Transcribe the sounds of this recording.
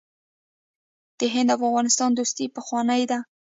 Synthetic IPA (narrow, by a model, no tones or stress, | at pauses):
d̪̥əɦɪnd̪awafɣɑnɪst̪ɑnd̪ust̪ipəxwɑnəjd̪a